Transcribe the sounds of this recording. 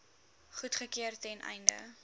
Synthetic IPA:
χutχəkiərtɛnʔɛ̰jndə̰

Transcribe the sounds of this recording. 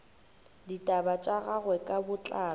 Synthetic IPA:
ditʼabat͡ʃʼaɣaɣwɛkʼabʊt͡ɬʼaː

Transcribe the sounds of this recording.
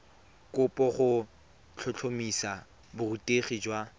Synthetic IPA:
kʼʊpʼɔχʊ | t͡ɬʰʊt͡ɬʰomisa | bʊrutʼeχid͡ʒwa

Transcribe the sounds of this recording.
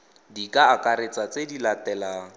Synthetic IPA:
dikʼaːkaɾet͡sat͡sedilatɛla

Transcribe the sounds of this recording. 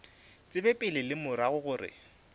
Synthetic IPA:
t͡sʼɪbɛpʼɪlɪlɪmʊɾaɣʊɣʊːrɪ̰

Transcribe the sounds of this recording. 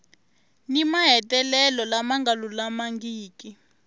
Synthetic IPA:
nimaɦɛtɛlɛlɔlamaŋɡalulamaŋɡiːki

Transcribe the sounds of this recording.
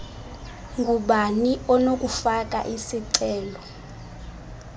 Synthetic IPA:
ŋɡʱuɓaniɔnok̬ʼufak̬ʼa̰ʔisiǀɛːlɔ

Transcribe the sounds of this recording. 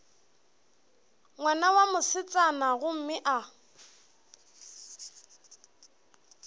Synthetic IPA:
ŋwanawamʊsɪt͡sʼanaɣʊm̩mɪʔa

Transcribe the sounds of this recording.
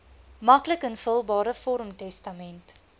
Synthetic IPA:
mɐkləkənfəlˠbɑːɾəfɔɾmtɛstɐmɛnt

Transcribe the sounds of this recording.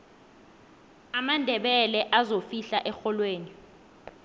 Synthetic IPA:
amandʱɛɓɛlɛʔazofiɬaʔɛxɔlweːni

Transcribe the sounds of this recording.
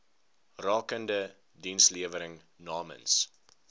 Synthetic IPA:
rɑːkəndə | dinsliəvəɾəŋ | nɑːmə̰ns

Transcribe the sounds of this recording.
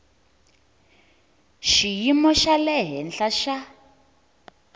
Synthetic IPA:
ʃijimɔʃalɛɦɛnɬaʃa

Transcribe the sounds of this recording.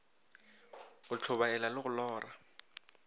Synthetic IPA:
ɣʊt͡ɬʰʊβaɛlalɪɣʊlɔːra

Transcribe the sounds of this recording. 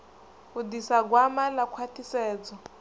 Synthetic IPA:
udisaɡwamalakʰwatʰisɛːd͡zɔ

